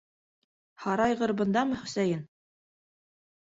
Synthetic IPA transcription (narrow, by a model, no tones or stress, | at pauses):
hɑɾɑjʁɤ̆ɾbɤ̆nd̪ɑmɤhɵ̆sæjɘn